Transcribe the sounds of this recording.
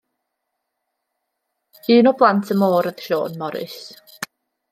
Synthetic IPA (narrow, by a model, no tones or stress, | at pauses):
iːnɔblˠantʰəmoːɾəðʃo̰ːnmɔɾɨ̰s